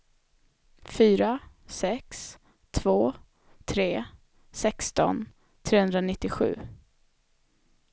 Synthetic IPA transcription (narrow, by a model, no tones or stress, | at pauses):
fyːɾa | sɛks | t̪ʰv̥oː | t̪ʰɾeː | sɛkst̪ɔ̰n | t̪ʰɾeːhɵnd̪ɾanɪt̪ːɪɧʉ̟̰ː